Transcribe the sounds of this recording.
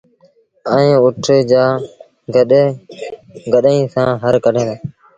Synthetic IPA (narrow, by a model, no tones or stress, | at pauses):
əẽːʊʈʰeːd͡ʒaː | ɡəɗeː | ɡəɗĩːsãːɦəɾkəɗẽː